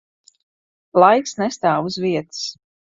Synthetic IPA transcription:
lˠajksnɛst̪aːvuzviɛt̪ɨ̥s

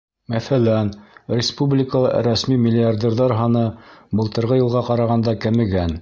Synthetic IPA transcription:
mæθælænɾʲɪspublʲɪkəlˠɤɾæsmimʲɪlʲɪard̪ʲerðɑɾɦɑnɤbɤ̆lˠt̪ɤ̆ɾʁɤjɤ̆lˠʁɑqɑɾɑʁɑnd̪ɑkæmɘ̆ɡæn

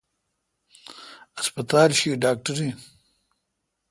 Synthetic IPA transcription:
aspɐt̪aːlʃiɖaːk̚ʈaɾi

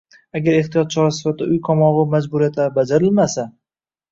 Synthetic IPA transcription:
aɡʲaɾe̞ht̪ijɒt̪̚t͡ʃʰɒɾasɪ̥fat̪̚d̪a̰ʊjqʰɒmɒʁɨmad͡ʒbʊɾijat̪ʰabad͡ʒaɾɪlmasa

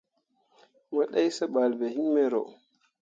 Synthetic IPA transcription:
waɗajsaɓalbɛhimːɛɾɔ̰

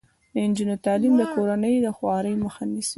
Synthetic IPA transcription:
d̪əɪnd͡ʒinot̪alimd̪əkoɾanəjd̪əxwɑɾəjməxanisi

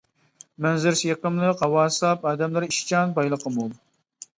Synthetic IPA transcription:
mɛnzɪɾsjɛkəmlˠɨqʰɑwɑːsˠɑpɑːd̪ɛmlˠɨɾiʃt͡ʃʰɑnbɑjlˠəqʰəmulˠ

